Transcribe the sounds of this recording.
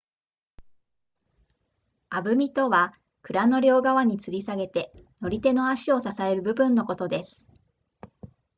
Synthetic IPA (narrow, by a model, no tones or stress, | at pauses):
abɯ̟mʲit̪o̞βa | kɯ̟ɾano̞ɾʲo̞ːɡaβaɲ̟it͡sɨɾʲisaɡe̞t̪e̞no̞ɾʲit̪e̞no̞aɕio̞sasae̞ɾɯ̟bɯ̟bɯ̟̃nːo̞ko̞t̪o̞d̪e̞sɨ̥